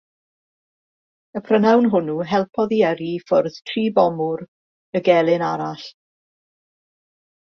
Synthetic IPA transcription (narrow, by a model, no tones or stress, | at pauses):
əpʰrənawnɦʊnuɦɛlˠpʰɔðiəɾifʊrð̥tʰriːbɔmʊɾ | əɡɛlˠɪnaɾaɬ